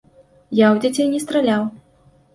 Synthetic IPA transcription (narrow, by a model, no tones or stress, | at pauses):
jawd͡zʲat͡sʲɛnʲɛst̪ɾalʲaw